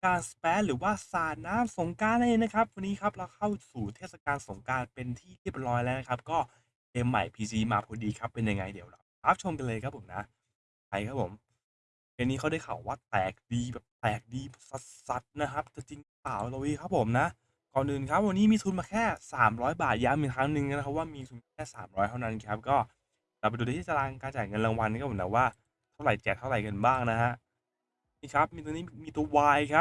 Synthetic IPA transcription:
kaː˧nspɛː˦˥ɾɯː˩˦waː˥˩saː˨˩t̪̚naː˦˥mso˨˩˦ŋkaː˧na˧eː˧ŋna˦˥kʰa˦˥p̚wa˧nːiː˦˥kʰa˦˥p̚ɾɛ˧˩wkʰa˥˩wsuː˨˩t̪ʰeː˥˩sa˧kaː˧nso˩˦ŋkaː˧npe˧nt̪ʰiː˥˩ɾi˥˩əp̚ɾɔː˦˥jlɛː˦˥wna˦˥kʰa˦˥p̚kɔː˥˩ | ʔeː˧mːa̰˨˩jpʰiː˧t͡ɕiː˧maː˧pʰuː˧diː˧kʰa˦˥pːe˧nja˧ŋa̰˧jdi˩˦wɾa˧˩ | ɾa˦˥p̚t͡ɕʰo˧mka˧nlɤː˧kʰa˦˥pʰo˩˦na̰˦˥ʔ | kʰa˧˩jkʰa˦˥pʰːo̰˨˩˦m | eː˧niː˦˥kʰa˦˥wda˥˩kʰa̰˨˩waː˥˩t̪ɛː˨˩k̚diː˧bɛː˨˩p̚t̪ɛː˨˩k̚diː˧sa˨˩t̪̚sa˨˩t̪̚na˦˥kʰa˦˥p̚t͡ɕa˧˩t͡ɕi˧ŋɾɯ˦˥paː˨˩wla˧wiː˧kʰa˦˥pʰo˨˩˦mna˦˥ʔ | kɔː˨˩nːɯ˨˩ŋkʰa˦˥p̚wa˧nːiː˦˥miː˧t̪ʰu˧nmaː˧kʰɛː˥˩saː˩˦mɾɔː˦˥jbaː˨˩t̪̚jaː˦˥miː˨˧˩kʰɾa˦˥ŋnɯ˨˧ŋ˥˧˩n˧˥kʰa˦˥p̚waː˥˩miː˧t̪ʰu˧nmaː˧˩kʰɛː˥˩saː˨˩˦mɾɔː˦˥jt̪ʰa˥˩wna˦˥nʔi˨˩kʰa˦˥p̚kɔː˥˩ | t̪ɛ˨˩pe˧ndu˨˩˨t̪ʰiː˥˩t͡ɕa˨˧laː˧ŋkaː˧nt͡ɕaː˨˩jŋɤ˧nla˧ŋwa˧nkɔː˥˩ɯ˩˦dɛː˨˩waː˥˩ | t̪ʰa˥˩ɾa˨˩˦jt͡ɕɛː˨˩k̪̚ʰa˥˩ɾa˨˩jka˧nbaː˥˩ŋna˦˥ɦa˦˥ʔ | miː˥˩kʰa˦˥p̚mi˧t̪o˧niː˦˥˨miː˧t̪u˧ɐwaː˧jkʰp̚

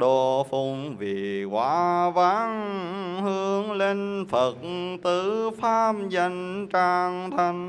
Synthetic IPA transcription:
ɗo˧˩fu˧˩ŋ͡mvḭ˨˩kwaː˨˦vaː˨˦ŋhɨ˧˦əŋle˧nfə˨˩t̚t̪ɨ˨˧˦faː˧˥mza˧jŋ̟t͡ɕaː˧ŋt̪ʰa˧ŋ̟

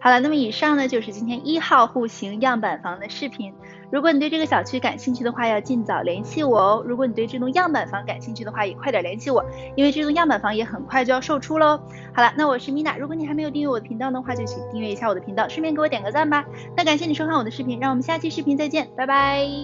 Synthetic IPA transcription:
xɑ˧˩d̪ə˦na˥˩mə˩i˨˩ʂɑ˥˩ŋnə˩t͡ɕjo˥˧ʊʂɻ̩˥˩t͡ɕi˥nt̪ʰjɛ˥nʔi˥xɑ˥˧ʊxu˥˩ɕi˧˥ŋjɑ˥˩ŋpa˨˩nfɑ˧˥ŋd̪ə˧ʂɻ̩˥˩pʰi˧˥n | ɻu˧˥kwɔ˧˥n˨˩t̪wʈ͡ʂɡə˩ɕjɑ˨˩ʊt͡ɕʰy˥ka˨˩nɕi˥˧ŋt͡ɕʰy˥˩d̪ə˩xwa˥˧jɑ˥˧ʊt͡ɕi˥˩nt͡sɑ˨˩ʊljɛ˧˥nt͡ɕʰi˥wɔ˨˩˦ɻu˧˥k̬wɔ˧˥n˨˩wʈ͡ʂɤ˥˩ʈ͡ʂʊ˧˥ŋjɑ˥˩ŋpa˨˩nfɑ˧˥ŋka˨˩nɕi˥˧ŋt͡ɕʰy˥d̪ə˩xwa˥˩jɛ˨˩kʰwa˥˩d̪jə˨˩ljɛ˧˥nt͡ɕʰi˧˥wɔ˨˩˦ | i˥nwe˥˧ʈ͡ʂɤ˥˩ʈ͡ʂʊ˧˩ŋjɑ˥˩ŋpa˨˩nfɑ˧˥ŋjɛ˧˥xə˨˩nkʰwt͡ɕjo˥˧jɑ˥˧ʊʂo˥˩ʊʈ͡ʂʰu˥lə˨˥ | xɑ˨˩ʊd̪ə˧˦na˥˩wɔ˨˩ʂɻ̩˥˩mi˧˥na̰˨˩ɻu˧˥kwɔ˧˥n˨˩xme˧˥jo˨˩i˥˧˥jw̪ə˧i˧˥ŋt̪ɑ˥˩ʊd̪ə˩xwa˥˧t͡ɕjo˥˧ʊt͡ɕʰy˧˩t̪i˥˧ŋɥɛ˥˧˩i˧˥ɕja˥˩wɔ˨˩d̪əpʰi˧˥ŋt̪ɑ˥˧ʊʂɻ̩˥mʰjɛ˥˩ŋke˥wɔ˧˥t̪jɛ˨˩kɤ˧˥t͡sa˥˩nba˨˩ | na˥˩ka˨˩nɕjɛ˥˩ni˨˩ʂo˥kʰa˥˩wɔ˨˩d̪ə˦ʂɻ̩˥˩pʰi˧˥nɻɑ˥˩ŋwɔ˨˩mə˦˥ɕja˥˧˥t͡ɕʰi˥˧ʂɻ̩˥˩pʰi˧˥nt͡sa˥˧ɪt͡ɕjɛ˥˩npa˥˩ɪba˧˥ɪ

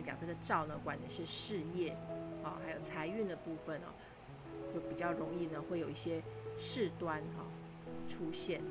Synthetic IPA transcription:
t͡ɕjɑ̰˨˩ŋʈ͡ʂɤ˥˩ɡə˩ʈ͡ʂɑ˥˩ʊnə˩kwa˨˥ny˨˩ʂɻ̩˥˧ʂɻ̩˥˧jɛ˥˩ɐ̰˧˦xa˧˥ɪjo˨˩ʊt͡sʰa˧˥ɪy˥˩nd̪ə˩pu˥˩fə˩nɐ̰˨˩˦ | t͡ɕjo˥˩ʊpi˨˩t͡ɕjɑ˥˩ʊɻʊ˧˥ŋi˥˩nə˩xwe˥˩ɪjo˨˩ʊi˥˩ɕjɛ˥ʂɻ̩˥˩t̪wa˥nɐ̰˥˧ | ʈ͡ʂʰu˥ɕjɛ˥˩n

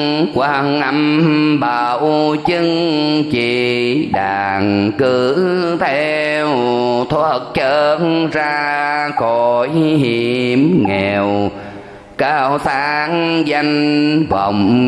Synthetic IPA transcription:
kwaː˧˩ŋʔa˧˩mɓaː˨˩wt͡ɕɨ˧ŋt͡ɕi˧˩ɗaː˨˩ŋkɨ˧˩t̪ʰɛ˧wt̪ʰo˧˦ə˨˩k̚t͡ɕəː˧nzaː˧xo˧˨˩jhi˧˩mŋɛ˨˩˨w | kaː˧˩wsaː˧˦ŋza˧jŋ̟və̰˧˨wŋ͡m

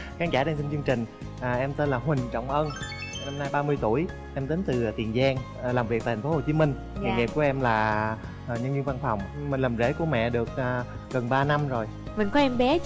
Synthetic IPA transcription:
xaː˧nzaː˧˩ɗa˧nt̪si˧nt͡ɕɨ˧ŋt͡ɕï˨˩ŋ̟ | ʔəː˨˩ʔɛ˧mt̪e˧nlaː˨˩ɦwï˨˩ŋ̟t͡ɕɔ̰˧˨wŋ͡mʔəː˧n˩na˧mnaː˧jɓaː˧mɨ˧əjt̪u˧˩əj | ʔɛ˧mt̪e˨˦nt̪ɨ˨˩˨t̪ḭ˨˩ənzaː˧ŋ˨˩ | laː˨˩mvk̚t̪aː˨˩t̪̟ʰːfo˨˦ho˨˩t͡ɕi˨˦mï˧ŋ̟ | a˨˩ŋe˨˩p̚ku˧˩əʔɛ˧mlaː˨˩˨ | ɲə˧nɲɨ˧nva˧nfa˨˩wŋ͡mmə˨˩ŋlə˨˩mzḛ˧˥ku˧˩əmɛ̰˧˨ɗɨ˨˩ək̚ʔ | ɣə˨˩nɓaː˧na˧mzo˨˩j | mi˨˩ŋkɔ˨˦ʔɛ˧mɓɛ˨˦

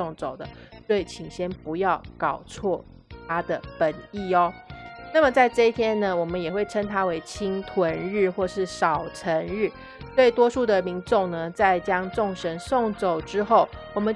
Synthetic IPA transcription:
o˥˩ŋt͡so˨˩ʊd̪ə˦swɔ˥i˨˩t͡ɕʰi˨˩ŋɕjɛ˥npu˧˥jɑ˥˩ʊkɑ˨˩ʊt͡sʰwɔ˥˩ | t̪ʰa˥d̪ə˨pə˨˩ni˥˩ɔ˦na˥˩mə˨˩t͡sa˥˧ɪʈ͡ʂɤ˥˧i˥˩t̪ʰjɛ˥nnə˨wɔ˨˩mə˦njɛ˨˩xwe˥˩ɪʈ͡ʂʰə˥ŋt̪ʰa˥we˧˥ɪt͡ɕʰi˥ŋt̪ʰwə˧˦˥nɻɻ̩˥˧xwɔ˥˧ʂɻ̩˥˩ʂɑ˨˩ʊʈ͡ʂʰə˧˥nɻ̩˥˩ | t͡swe˥˩iɪt̪wɔ˥ʂu˥˩d̪ə˩mi˧˥ŋʈ͡ʂʊ˥˩ŋnə˩t͡sa˥˩ɪt͡ɕjɑ˥ŋʈ͡ʂʊ˥˩ŋʂə˧˥nso˥˩ŋt͡so˨˩ʊʈ͡ʂɻ̩˥xo˥˩ʊwɔ˨˩mə˨˦n

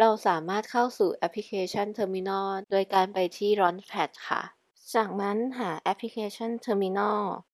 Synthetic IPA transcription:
ɾa˧wsaː˨˩˦maː˥˩t̪̚kʰa˥˩wsuː˨˩ʔɛ˦˥pʰli˦kʰeː˧t͡ɕʰa˥˩nt̪ʰɤː˧mi˧nɔː˥˩doː˧jkaː˧npa˧jt̪ʰiː˥˩ɾɔː˦˥npʰɛ˦˥t̪̚kʰa̰˥˩ʔ | t͡ɕaː˨˩k̚na˦˥nɦaː˩˦ʔɛ˦˥pʰli˦kʰeː˧t͡ɕʰɔ˥˩nt̪ʰɤː˧mi˧nɔː˥˩

